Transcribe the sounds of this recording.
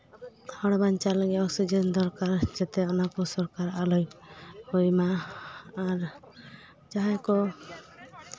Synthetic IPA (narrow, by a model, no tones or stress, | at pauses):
hɔɽbant͡ʃalɛɡɛɔksid͡ʒɛnd̪ɔɾkaɾd͡ʒɛt̪ɛɔnakɔsɔɾkaɾalɔjhujmaː | ɾ | d͡ʒaɦajkɔ